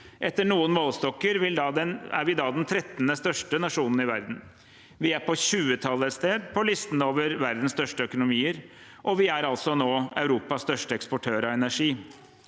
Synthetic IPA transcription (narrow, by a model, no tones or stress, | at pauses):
ʔɛt̪ːəɳuːənmoːlst̪ɔkːəɾʋɪld̪ɑd̪ɛæ̰ɾʋɪd̪ɑːd̪ɛnt̪ʰɾɛt̪nəst̪œʂʈənɑʂuːnən̩ɪʋæɾd̪n̩ | ʋɪæɾpʰɔɕʉːət̪ʰɑlːəst̪eːd̪pʰɔlɪst̪n̩oːʋəɾʋæɾd̪n̩st̪œʂʈəœkʊnʊmiːəɾ | ʔɔʋɪæɾɑlt̪sɔnoːɑʉɾuːpɑsst̪œʂʈəɛkspɔʈʰøːɾɑɛnæʂiː